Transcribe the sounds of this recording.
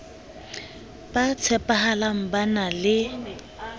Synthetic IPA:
b̥at͡sʰɛpʼahalam̩banalɪ

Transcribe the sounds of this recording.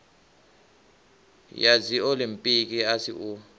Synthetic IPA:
jad͡ziolim̩pʼik̬ʼiasḭu

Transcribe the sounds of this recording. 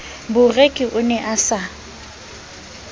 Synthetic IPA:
bʊrekʼɪʔʊnɛʔasa

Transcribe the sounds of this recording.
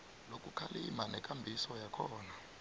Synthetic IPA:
lokʼukʰalimanɛkʼambʱisɔjakʰɔːna

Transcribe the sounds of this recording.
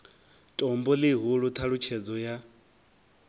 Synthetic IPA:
tʼɔmbɔlɪɦuɺut̪ʰaɺut͡ʃʰɛd͡zɔja

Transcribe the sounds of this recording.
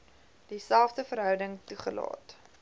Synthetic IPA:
d̥isælˠfdəfəɾɦœwdəŋtuχəlɑ̰ːt

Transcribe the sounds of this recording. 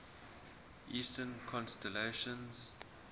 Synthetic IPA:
ʔiːstənkʰɔ̃nstɛleʃə̃nz̥

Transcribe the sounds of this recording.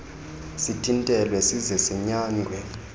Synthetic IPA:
sitʰintʼɛlwɛsizɛsɛɲaːŋɡʱwɛ

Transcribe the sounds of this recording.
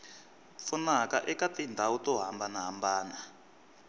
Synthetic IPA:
funakaʔɛkatindʱawutɔɦambanaɦambaːna

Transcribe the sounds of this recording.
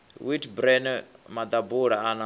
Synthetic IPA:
witʰbɾɛnmad̪abuɺaɦana

